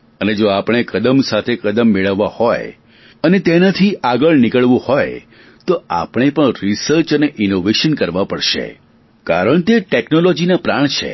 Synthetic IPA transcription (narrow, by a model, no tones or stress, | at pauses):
əned͡ʒoapɽ̃ekəd̪əmsat̪ʰekəd̪əmːeɭəʋːahoj | ənet̪enat̪ʰiʔaɡəɭnɪkəɭʋũhoj | t̪oa̰pɽ̃epəɳɾisəɾt͡ʃəneʔinoʋeʃənkəɾʋapəɽʃḛ | ka̰ɾəɳt̪eʈeknolɔd͡ʒinapɾaɳ̃t͡ʃʰḛ